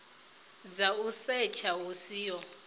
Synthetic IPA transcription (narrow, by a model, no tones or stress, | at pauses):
d͡zausɛt͡ʃʰawusiːjɔ